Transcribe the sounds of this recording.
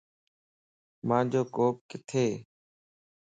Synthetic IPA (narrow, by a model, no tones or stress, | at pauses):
mãːd͡ʒoːkoːp̚kɪt̪ʰeː